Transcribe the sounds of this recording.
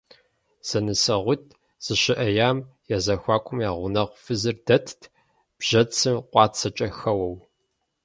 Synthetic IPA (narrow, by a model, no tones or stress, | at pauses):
z̥ɐnɨsɐʁʷʊt̚ʰ | z̥ɨɕɪʔɐjaːmjazɐxʷaːkʷʰʼʊmjaːʁʷʊnɐʁʷfɨzɨrdɐtʰtʰ | b̥ʒ̥ɐt͡sʰɨmqʷʼɑːt͡sʰɐt͡ʃʼɐxɐwɐw